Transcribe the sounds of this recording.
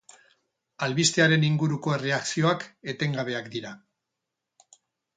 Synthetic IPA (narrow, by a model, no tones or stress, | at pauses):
alβist̪eaɾe̞niŋɡuɾuko̞e̞re̞aksio̞ake̞t̪e̞ŋɡaβ̞e̞akd̪iɾa